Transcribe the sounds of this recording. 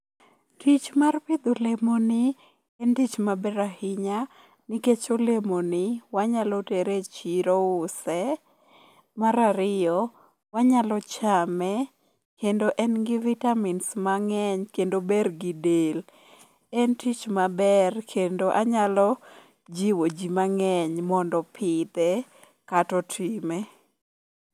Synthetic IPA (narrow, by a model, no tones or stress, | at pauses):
tʰit͡ʃmarpɪd̪olemonɪ | ɛntit͡ʃmabɛɾahɪɲa | niket͡ʃolemonɪwaɲalɔteɾet͡ʃiɾoʊsɛ | maɾaɾɪjɔ | waɲalɔt͡ʃamɛ | kendoʔɛnɡɪvitaminsmaŋɛɲkendobɛrɡidel | ɛntit͡ʃmabɛrkʰendoʔaɲalɔ | d͡ʒiwod͡ʒimaŋɛɲmɔndɔpʰɪt̪ɛ | katɔtʰime